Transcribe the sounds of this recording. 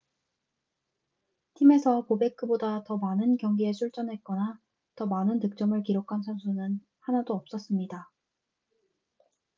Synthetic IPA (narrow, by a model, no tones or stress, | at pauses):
tʰime̞sʰʌpobe̞k͈ʰɯbodatʌmanɯnkjʌŋɡie̞sʰuɭt͡ɕ͈ʌnɦe̞t̚k͈ʌna | tʌmanɯntɯk̚t͡ɕ͈ʌmɯɭkiɾokʰansʰʌnsʰunɯn | hanadoʌp̚s͈ʌs͈ɯmɲida